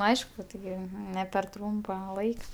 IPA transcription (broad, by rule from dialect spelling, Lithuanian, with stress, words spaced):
ˈɐɪʃkʊ tʲɪˈɡʲɪ nʲɛ pʲɛr ˈtruːmpɐ ˈlˠɐɪkɐ